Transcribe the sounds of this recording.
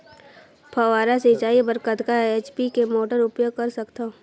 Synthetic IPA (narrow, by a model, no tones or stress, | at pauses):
pʰɐʋaːɾaset͡ʃaːibəɾkət̪kaeːt͡ʃpikemoːʈəɾʊpjoːɡ̚kɐɾsɐkt̪a